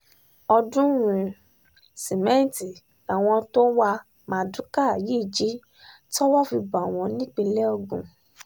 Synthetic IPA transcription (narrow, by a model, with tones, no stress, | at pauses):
ɔ˧dũ˦wũ˨ | si˨mɛ̃˨˦n˦˨ti˨ | a˨w̃ɔ̃˧to˦wa˧ | mã˧˨dũ˨˦ka˦˨ji˦˨d͡ʒi˨˦ | ti˦ɔ˦wɔ˦˨fi˧ba˨w̃ɔ̃˧nĩ˦k͡pe˧lɛ˦o˧ɡũ˨